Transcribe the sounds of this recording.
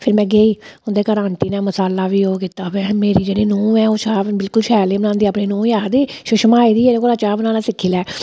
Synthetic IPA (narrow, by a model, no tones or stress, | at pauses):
pʰɪɾmɛ̃ːɡeːiːʊnd̪eːkəɾãːnt̪iːnaːməsaːlaːʋiːoːkiːt̪aːbɛ̃ːmeːɾiːd͡ʒeːɽiːnũːɛ̃ːoːʃaːbbɪlkʊlʃɛːlẽːbənãːnd̪iːaːpniːnũːjaːd̪eːʃʊʃmaːiːd̪iːeːɾeːkoːlaːt͡ʃaːbnãːlaːsɪkʰːiːlɛː